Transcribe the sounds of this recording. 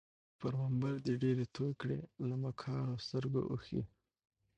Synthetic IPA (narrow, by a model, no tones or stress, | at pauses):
paɾmambaɾd̪iɖeɾet̪ʰojkɽelamakʰɑɾost̪əɾɡo̰ʔṵxḭ